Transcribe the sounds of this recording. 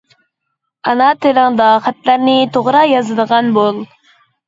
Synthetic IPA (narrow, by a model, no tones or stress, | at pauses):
ɑnɑt̪ʰɪləŋd̪ɑχæt̪læɾnɪt̪ʰoʁɾɑjɑzɨd̪əʁɑnbolˠ